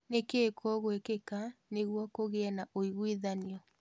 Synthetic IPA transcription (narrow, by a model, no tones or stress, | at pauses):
nekeːkɔɣwekekaneɣwɔkoɣeɛnaʔoiɣwiðaniɔ